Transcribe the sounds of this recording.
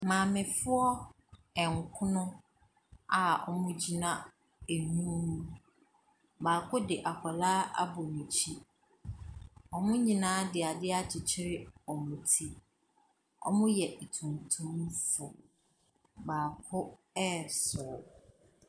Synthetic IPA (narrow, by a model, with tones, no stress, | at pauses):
mãː˨mɪ̃˨fʊ˦ɔ˦ | ɛ˨ŋ˨kʰʊ˦nʊ̃˦ | a˨ɔ̰˨mʊ̃˦d͡ʑi˨nã˦ | e˨ɲũ˦nũ˦ | baː˨kʰʊ˦dɪ˨ʔa˨kʷʰɔ˨la˦a̰˦bʊ˨nĩ˨t͡ɕʰi˦ | ɔ˨mʊ̃˦ɲĩ˨nãː˦dɪ˨a˨dɪ˦a˦t͡ɕʰɪ˨t͡ɕʰɪ˦ɾɪ˦ɔ˨mʊ̃˨tʰi˦ | ɔ̰˦mʊ̃˦jɛ˨ʔi˨tʰũ˨ntʰũ˦m˦fʊ˨ | baː˨kʰʊ˦ | ɛ˦sʊ˨